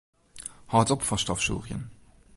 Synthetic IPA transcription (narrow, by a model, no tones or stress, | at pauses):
hɑːtɔpfɐʁʃtɑfʃṵːʁjə̰n